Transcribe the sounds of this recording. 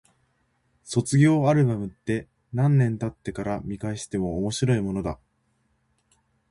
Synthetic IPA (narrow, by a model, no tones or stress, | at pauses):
so̞t͡sɨɡʲo̞ːaɾɯ̟bamɯ̟t̪ːe̞ | nãnːẽ̞nt̪at̪ːe̞kaɾamʲikaeɕi̥t̪e̞mo̞ːmo̞ɕiɾo̞imo̞no̞d̪a